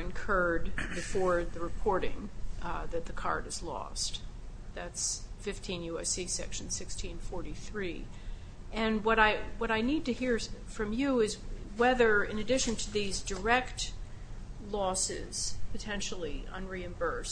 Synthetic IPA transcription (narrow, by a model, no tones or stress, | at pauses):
ɨ̃nkʰɜ˞d̚bɨfɔɹðɨɹɨpʰɔɹɾɪ̰̃ŋðɨt̪̚ðɨkʰɑ̰ɹɾɨzlɔ̰st | ðætsfɪftʰĩnjʉɛsisɛ̰kʃn̩sɪkstʰĩnfɔɹɾiθɹi | ɨ̃nwʌɾaɪwʌɾaɪnid̚tɨhiɹfɹʌ̃mjɨɪzwɛðə˞ɪ̃nɨdɪʃɨ̃ntʰɨðizdə˞ɛkt | lɔsɪ̰z̥pʰɨtʰɛ̃nʃl̩ˠiʌ̰̃nɹiɨ̃mbɜ˞s